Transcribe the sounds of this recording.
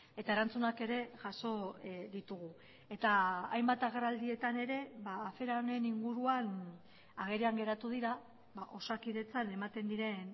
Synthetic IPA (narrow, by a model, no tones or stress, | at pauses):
e̞t̪ae̞ɾant͡sunake̞ɾe̞ʝaso̞ðit̪uɣ̞u | e̞t̪aajmbat̪aɣ̞e̞rald̪ie̞t̪ane̞ɾe̞βaːfe̞ɾane̞niŋɡuɾuan | aɣ̞e̞ɾeaŋɡe̞ɾat̪uð̞iɾa | βaʔo̞sakiðe̞t͡sane̞mat̪e̞nd̪iɾe̞n